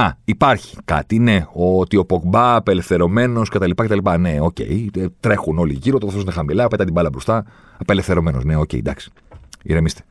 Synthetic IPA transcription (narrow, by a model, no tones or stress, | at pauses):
ɐipɐɾçi̥kɐ̰t̪ine̞o̞t̪io̞pokbɐːpele̞fθe̞ɾo̞me̞no̞sce̞t̪ɐlipɐcet̪ɐlipɐne̞o̞ce̞̰it̪ɾe̞xuno̞liʝiɾot̪efθosinexɐmilɐpet̪ɐt̪ibɐlɐbɾost̪ɐ | ɐpe̞le̞fθe̞ɾo̞me̞no̞sne̞o̞ce̞̰ḭd̪ɐksi̥ | ḭɾemist̪e